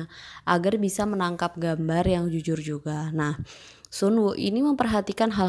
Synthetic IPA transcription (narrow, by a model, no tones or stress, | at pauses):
ʔaɡarbisamənaŋkap̚ɡambarjaŋd͡ʒud͡ʒʊrd͡ʒuɡanah | sunwoʔḭniməmpərɦat̪ikanɦal